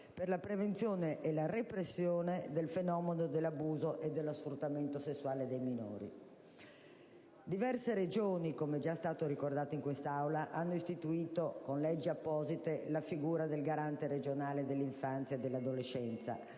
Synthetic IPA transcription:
perlapɾevent̪sjoːneʔelarepɾesːjoːned̪elfenɔːmenod̪elːabuːzoʔed̪ːelːosfɾut̪ːament̪osesːuaːled̪ejmino̰ːɾḭ | d̪ivɛrseɾed͡ʒoːnikomɛd͡ʒast̪aːt̪oɾikord̪aːt̪oiŋkwest̪aawlaʔanːoist̪it̪uiːt̪okonlɛd͡ʒːiapːɔːzit̪elafiɡuːɾad̪elɡaɾant̪eɾed͡ʒonaːled̪elːiɱfant̪sjaed̪ːelːad̪olet͡ʃːɛnt̪sa̰

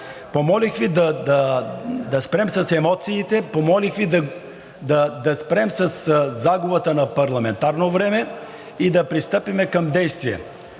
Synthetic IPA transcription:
pomɔlixvid̪ɐd̪ɐd̪ɐspɾɛmsɐsɛmɔt̪siːt̪ɛpomɔlixvid̪ɐ | d̪ɐd̪ɐspɾɛmsɐszaɡovət̪ənɐpɐɾlˠɐmɛnt̪aɾnovɾɛmɛ | id̪ɐpɾist̪ɤpimɛkɐmd̪ɛjst̪viɛ̰

